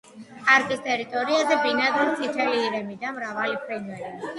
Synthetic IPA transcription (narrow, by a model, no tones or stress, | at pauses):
aɾkʼist̪ʼɛɾit̪ʼɔɾiazɛbinad̪ɛlt̪ʰit̪ʰɛliːɾɛmid̪amɾavalipʰɾɛnvɛɾi